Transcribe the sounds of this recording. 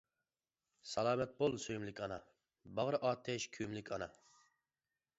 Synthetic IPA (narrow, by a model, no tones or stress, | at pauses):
sɑlˠɑːmɛt̪̚bolˠsøjmlɪkʲɑnɑ | bɑʁɾɨʔɑːt̪ʰːɛʃkʲʰymlɪkʲɑnɑ